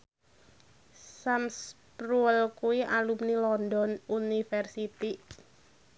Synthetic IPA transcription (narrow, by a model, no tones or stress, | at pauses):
sams | pɾuɛlkuwiʔalumnilɔnd̪ɔnunifɛrsit̪iʔ